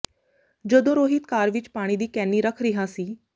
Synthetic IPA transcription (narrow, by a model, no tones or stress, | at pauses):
d͡ʒəd̪õɾoːɦɪt̪kaːɾʋɪt͡ʃpaːɽ̃iːd̪iːkɛːnːiːɾəkʰɾɪɦãːsiː